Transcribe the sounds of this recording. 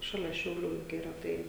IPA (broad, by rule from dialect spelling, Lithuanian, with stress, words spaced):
ˈʃɑːlʲɛ ʃʲɛʊˈlʲuː jʊk iːˈrɐ ˈtɐɪ